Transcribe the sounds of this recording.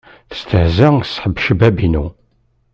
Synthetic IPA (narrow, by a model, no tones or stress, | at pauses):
θə̥st̪əhzæsħəbːʃəbæbinu